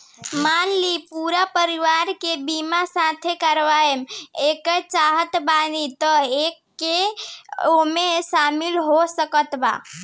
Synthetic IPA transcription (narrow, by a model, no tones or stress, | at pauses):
manlipuɾapəɾiʋaɾkebimasãt̪ʰekəɾʋaemekəɾt͡ʃaɦət̪banit̪əekːe | omesamilɦosəkət̪ba̰